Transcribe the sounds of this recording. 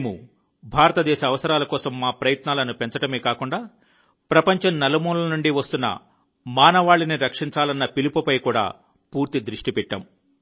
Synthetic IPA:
neːmu | bʱaːɾɐt̪ɐd̪ɛːʃɐːʋɐsɐɾaːlɐkɔːsɐmːaːpɾɐjɐt̪naːlɐnupeɲt͡ʃɐʈɐmeːkaːkuɳɖaː | pɾɐpɐɲt͡ʃɐmnɐlɐmuːllɐnuɳɖiʋɐst̪unːɐ̰ | maːnɐʋaːɭːiniɾɐkʂiɲt͡ʃaːlɐnːɐpilipɐpɐjkuːɽa̰ː | puːɾt̪id̪ɾiʂʈipɛʈːɐ̰m

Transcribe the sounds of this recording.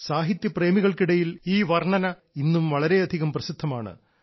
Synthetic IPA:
saːɦit̪jɐpre̞ːmiɣɐɭkiɽɐjiliːʋɐrɳɐnɐ | inːumʋɐɭɐɾe̞ɐd̪ʱiɣɐmprɐsid̪ʱːɐmaːɳɨ̰

